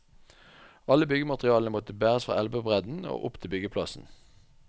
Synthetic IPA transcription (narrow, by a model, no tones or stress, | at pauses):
ɑləbʏɡəmɑt̪ʁɪɑːləəmɔt̪əbæːʁəsfʁɑ̰ːʔɛlbəbʁɛd̪n̩o̰ːʔʊpt̪ʰɪlbʏɡəpʰlɑsn̩